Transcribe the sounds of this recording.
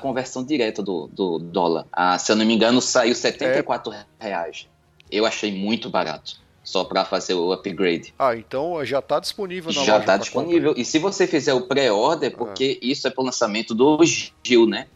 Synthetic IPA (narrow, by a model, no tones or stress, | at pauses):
kõveɾsɐ̃w̃d̪iɾɛt̪ɐd̪ʊ̰d̪ʊd̪ɔ̰lɐ̰ɾa̰sewnõmĩɡɐ̃nʊsaiwsɛt̪ẽnɐjkwat̪ɾʊhea̰ʒ̃ | ewaʃejmũj̃t̪ʊba̰ɾa̰t̪ʊ̥ | sɔpɾɐfazeɾʊapiɡɾejd̪ɪaẽt̪ɐ̃w̃ʒat̪ad̪isponivewʒat̪ad̪ispõnivewɪsɪvosefizɛɾʊpɾɛɔɾd̪ẽpoɾkeisʊɛpɾʊlɐ̃samẽnt̪ʊd̪ʊʒiwnɛ